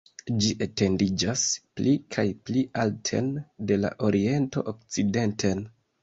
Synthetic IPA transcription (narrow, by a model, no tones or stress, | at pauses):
d͡ʒiʔete̞ndid͡ʒasplikʰajpliʔaltʰe̞̰nde̞la̰ʔo̞ɾie̞nto̞̰ʔok̚t͡side̞ntʰen